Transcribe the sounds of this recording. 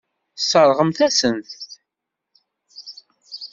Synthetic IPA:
sːəɾˤʁəmθæsənθ

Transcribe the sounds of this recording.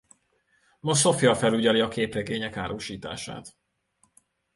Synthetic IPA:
moso̞fjɒfɛluɟɒliɒkeːpreɡeːɲɛkaːɾʔoːʃiːt̪a̰ːʃa̰ːt̪

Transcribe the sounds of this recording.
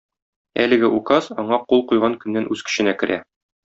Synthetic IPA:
æ̰lɘ̆ɡɘʔukɑzɒɴɑqulˠqujʁɑŋkɵ̆nːænʔʉz̥kɘ̥̆ɕɘ̆nækɘ̆ɾʔæ

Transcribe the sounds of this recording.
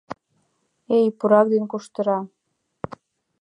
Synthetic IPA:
ejpuɾɑk̚d̪enkuʃt̪ə̆ɾɑ

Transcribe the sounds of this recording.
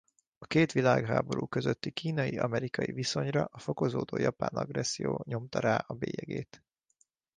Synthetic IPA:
ɒkeːt̪ʋilaːɡɦa̰ːbo̞ɾuːkøzøt̪ːikiːnɒjiɒmɛɾikɒjiviso̞ɲrɒʔɒfo̞ko̞zoːd̪oːjɒpa̰ːnɒɡrɛsːijoːɲo̞mt̪ɒɾaːʔɒbeːjɛɡeːt̪

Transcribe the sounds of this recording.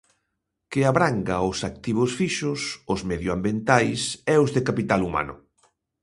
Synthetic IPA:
kɪaβɾaŋɡaʊsak̚t̪iβ̞ʊsfiʃʊsʊzmɛðjʊambjent̪ajsɛʊzðekapit̪aluma̰nʊ̰

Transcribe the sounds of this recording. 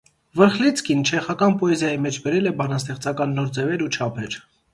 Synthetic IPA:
vəɾχlit͡sʰkint͡ʃʰɛχɑkɑnpɔɛzjɑjimɛt͡ʃʰbɛɾɛlɛbɑnɑst̪ɛχt͡sɑkɑnːɔɾd͡zɛvɛɾut͡ʃʰɑpʰɛɾ

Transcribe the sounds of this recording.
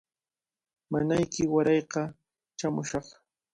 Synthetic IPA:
manajkɪwaɾɑjqɑ | t͡ʃamʊʃɑχ

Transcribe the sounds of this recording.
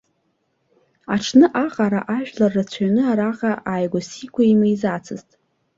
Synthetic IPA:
aʈ͡ʂʰnɨʔaqʼaɾa̰ʔaʒᶣlarːat͡sʷʰanɨaɾaqʼaʔaːjɡʷasikʷʰaimɨjzat͡sʰɨztʼ

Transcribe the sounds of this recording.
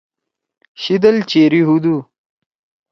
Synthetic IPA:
ɕid̪ɐlt͡ɕeːɾiɦud̪u

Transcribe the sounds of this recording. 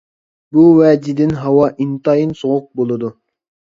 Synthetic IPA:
buwɛːd͡ʒid̪ɪnɦɑwɑʔint̪ɑinsoʁʊq̚bolˠɨd̪u

